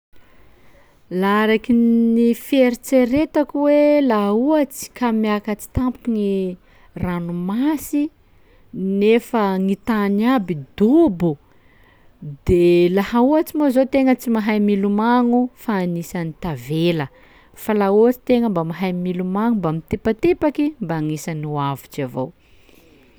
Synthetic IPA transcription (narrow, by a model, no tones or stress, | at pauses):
laɾakinifeɾit͡seɾet̪akuwelaɦuat͡si̥kamiakat͡si̥t̪ampuŋi | ranumasi | nefəŋit̪anabid̪ubu | d̪elahauat͡simozot̪eŋət͡simaɦajmilumaŋufaːnisanit̪avelə | falauat͡si̥t̪eŋəmbamaɦajmilumaŋumbamit̪epat̪epakimbaːŋisanuavit͡ʃavo̰w